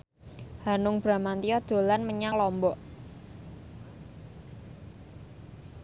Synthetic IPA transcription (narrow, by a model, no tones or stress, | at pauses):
hanʊŋb̥ɾa̤mant̪ijɔd̪̥o̤lanməɲaŋlɔmbɔʔ